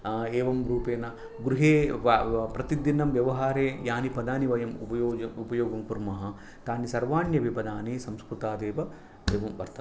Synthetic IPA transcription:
eːʋɐmɾuːpeːnɐ | ɡɾuɦeː | pɾɐt̪id̪inɐmʋjɐʋɐɦaːɾeːjaːnipɐd̪aːniʋɐjɐmṵpɐjoːɐupɐjoːɡɐmkuɾmɐɦɐ̆ | t̪aːnisɐɾʋaːɳjɐʋipɐd̪aːneːsɐmskɾut̪aːd̪eːʋɐ | d̪eːʋɐmʋɐɾt̪ɐ

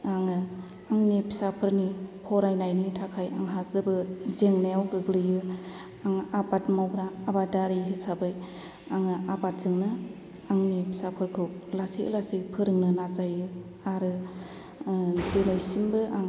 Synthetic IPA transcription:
aŋɯ | aŋnipʰi̥sapʰɯɾnipʰɔɾajnajnitʰakʰaja̰ŋɦazɯbɯzeŋnajawɡɯɡlɯjɯ | aŋabatmawbɾaːbadaɾiɦisabɯj | aŋɯabat̚zɯŋnɯ | aŋnipʰi̥sapʰɯɾkʰɯwlasiʔlasipʰɯɾɯŋnɯnazajɯ | aɾɯ | denajsimbɯʔaŋ

